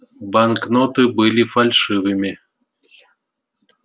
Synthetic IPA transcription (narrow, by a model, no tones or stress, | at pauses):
banknot̪ɨbɨlʲifalʲʂɨvɨmʲɪ